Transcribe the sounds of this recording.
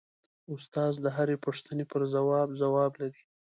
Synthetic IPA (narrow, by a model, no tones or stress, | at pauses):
ʊst̪ɑzd̪əɦaɾepəʂt̪ənepəɾzawɑbzawɑblaɾi